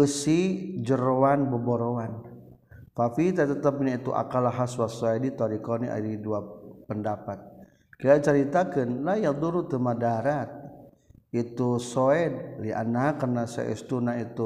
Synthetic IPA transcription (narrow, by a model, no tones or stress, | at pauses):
əsid͡ʒəɾowanbəboɾoan | fafit̪ət̪ət̪əp̚ɲait̪uʔa̰kalaɦaswasoɛdit̪ɔɾikɔniʔa̰ɾiduapəndapat̪̚ | kilat͡ʃəɾit̪akənlajaŋd̪uɾut̪əmadaɾat̪̚ | it̪usoɛdlia̰naɦakərnasa̰ʔɛ̰st̪unait̪u